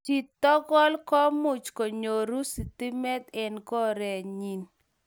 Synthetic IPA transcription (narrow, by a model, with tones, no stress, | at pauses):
t͡ʃi˨t̪ːɔ˦ɡɔ˦lkɔ˦mʊ˨t͡ʃko˨ɲo˨ɾu˦si˨t̪i˦mɛ˦t̪ɛ˦nkɔ˦ɾɛ˨ɲi˨n